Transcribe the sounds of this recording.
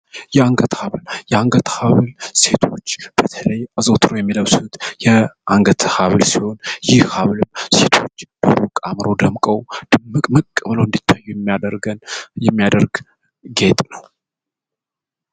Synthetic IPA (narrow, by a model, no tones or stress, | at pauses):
jɛaŋɡət̪haβljɛaŋɡət̪ʰhaβlse̞t̪ʰo̞t͡ʃːb̥ət̪ʰələjazot̪ʰɾojɛmːiləwsut̪jɛʔaŋɡət̪ʰhaβlsiho̞njɪhhaβlɨmse̞t̪ʰo̞t͡ʃːb̥əɾokʼamɾo̞d̪əmkʼəwd̪̥ɨmɨkʼməkʼːəβləwɨnd̪it̪ʰːajːuɾɡənjɛmːijad̪əɾɡ | ɡe̞t̪ʼnəw